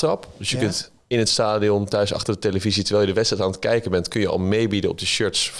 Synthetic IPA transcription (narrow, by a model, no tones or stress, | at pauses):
rɑpdɵsjəkɵnt | ɪnətstaːdiɔntœɥsɑ̰χtəɹdəteləvizitəɹʋɛlˠjədəʋɛtstrɛjtaːnətkɛjkənbɛntkɵnjəɑ̰lˠmejbidənɔ̰b̚dəʃøɹts